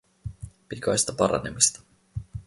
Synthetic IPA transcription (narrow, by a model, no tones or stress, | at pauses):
pit̪ʲkɑjst̪ɑpɑɾɑ̰nemist̪ɑ̥